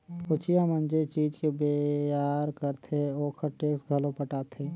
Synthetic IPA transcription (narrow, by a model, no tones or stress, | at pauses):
ʊt͡ʃʰijamənd͡ʒet͡ʃiːd͡ʒkebeaɾkəɾt̪ʰeoːkʰəɾʈeːksɡʱəlopəʈaːt̪ʰe